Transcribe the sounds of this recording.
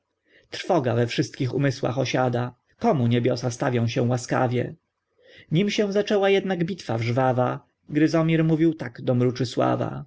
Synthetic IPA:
t̪ɾfɔɡavɛfʂɘst̪̚kʲixṵmɘswa̰xɔɕad̪a | kɔmuɲebʲjɔsast̪avʲjɔ̃w̃ɕɛw̃waska̰vʲjɛ̰ | ɲimɕɛw̃zat͡ʂɛwajɛd̪naɡbʲit̪favʐvava | ɡd̪ɘzɔmʲiɾmuvʲiwt̪aɡd̪ɔmɾut͡ʂɘswa̰va̰

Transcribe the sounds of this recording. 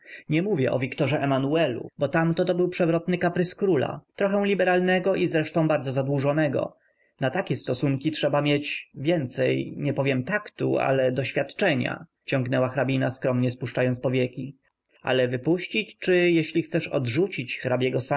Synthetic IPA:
ɲɛmuvʲjɛ̰ʔɔ̰vʲikt̪ɔʐɛʔɛmanuɛlṵbɔt̪amt̪ɔt̪ɔbɘwpʂɛvɾɔt̪nɘkapɾɘskɾula̰t̪ɾɔxɛw̃lʲibɛɾalnɛɡɔʔizɾɛʂt̪ɔ̃w̃baɾd̪zɔzad̪wuʐɔnɛɡɔ̰ | nat̪akʲɛst̪ɔsuŋkʲitʂɛbamʲjet͡ɕvʲjɛnt̪sɛjɲɛpɔvʲjɛmt̪akt̪ṵa̰lɛd̪ɔɕfʲjat̪t͡ʂɛɲa̰ | t͡ɕɔ̃ŋɡnɛwaxɾabʲinaskɾɔmɲɛspuʂt͡ʂajɔnt̪spɔvʲjɛkʲi | a̰lɛvɘpuɕt͡ɕit͡ɕt͡ʂɘjɛɕlʲixt̪sɛʂɔ̰dʐut͡ɕit͡ɕxɾabʲjɛɡɔsa

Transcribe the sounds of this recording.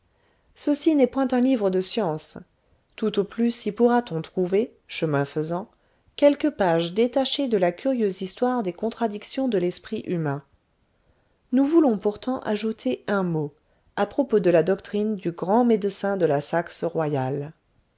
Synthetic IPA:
səsinɛpwɛ̃t̪ɛ̃livʁəd̪əsjɑ̃s | t̪ut̪oplysipuʁat̪ɔ̃t̪χuve | ʃəmɛ̃fəzɑ̃ | kʲɛlkəpaʒd̪et̪aʃed̪əlakʲyʁjøzist̪waʁd̪ekɔ̃t̪χad̪iksjɔ̃d̪əlɛspχiʔymɛ̃ | nuvulɔ̃puʁt̪ɑ̃ʔaʒut̪ʰeɛ̃mo | apχɔpod̪əlad̪ɔkt̪χind̪yɡʁɑ̃med̪əsɛ̃d̪əlasaksəʁwajal

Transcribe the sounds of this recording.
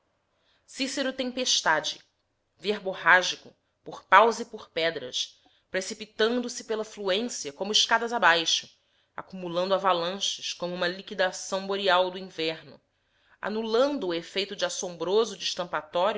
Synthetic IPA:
siseɾʊt̪ẽpeʃt̪ad͡ʒɪ̰ | veɾbohaʒikʊ | poχpawzipoχpɛd̪ɾɐ̰ʃ | pɾesipit̪ɐ̃nd̪ʊsɪpelɐfluẽsiɐkõmʊiʃkad̪ɐzabajʃʊ̥ | akumulɐ̃nd̪ʊavalɐ̃ʃɪʃkõmʊũmɐlikid̪asɐ̃w̃boɾiawd̪ʊĩvɛɾnʊ̰ | a̰nulɐ̃nd̪ʊːefejt̪ʊd͡ʒɪasõmbɾozʊd͡ʒiʃt̪ɐ̃mpat̪ɔɾjʊ

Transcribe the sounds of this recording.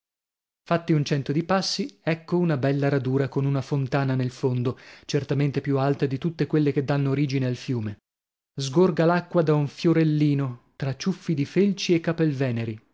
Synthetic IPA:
fat̪ːiunt͡ʃɛnt̪od̪ipasːiɛkːounabɛlːaɾad̪uːɾakonunafont̪aːnanelfond̪ot͡ʃert̪ament̪epjualt̪ad̪it̪ut̪ːekwelːek̟ed̪ːanːoːɾiːd͡ʒinealfjuːme | zɡorɡalakːwad̪auɱfjoɾelːiːnot̪ɾat͡ʃːufːid̪ifelt͡ʃiekːapelvɛːneɾi

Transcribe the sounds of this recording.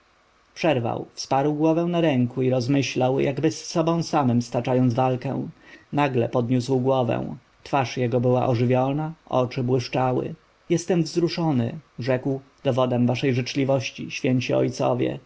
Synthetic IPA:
pʂɛɾva̰wfspaɾwɡwɔvɛw̃naɾɛŋkuiɾɔzmɘɕlawjaɡbɘsːɔbɔ̃w̃samɘmst̪at͡ʂajɔnd̪zvalkɛ̰w̃naɡlɛpɔd̪ɲuswɡwɔvɛ̰w̃ | t̪faʂjɛɡɔbɘwa̰ʔɔʐɘvʲjɔnaʔɔ̰t͡ʂɘbwɘʂt͡ʂawɘ̰ | jɛst̪ɛmvzɾuʂɔnɘ̰ʐɛkw | d̪ɔvɔd̪ɛmvaʂɛjʐɘt͡ʂlʲivɔɕt͡ɕḭɕfʲjɛɲt͡ɕiɔ̰jt̪sɔ̰vʲjɛ̰

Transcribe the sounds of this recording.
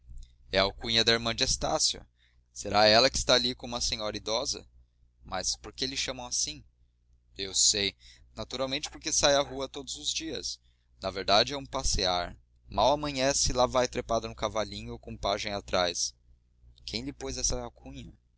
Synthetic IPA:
ɛawkũɲɐd̪ɐiɾmɐ̃d͡ʒɪest̪asjʊ̰ | seɾaɛlɐkɪ̥st̪aːlikõũmɐsẽɲɔɾɐid̪ɔzɐ̰ | mɐ̰spoɾkelɪʃɐ̃mɐ̃w̃asĩ | ewsej | nat̪uɾawmẽnt͡ʃɪ̥poɾkesajɐɦuɐt̪od̪ʊzʊzd͡ʒiɐ̰s | nɐveɾd̪ad͡ʒɪɛũpasea̰ɾ | mawɐmɐ̃ɲɐ̃sɪlavajt̪ɾepad̪ɐnʊ̃kavaʎĩɲʊkõpaʒẽj̃at̪ɾajs | kʰẽj̃lɪpojzɛsɐɛawkʰũɲɐ

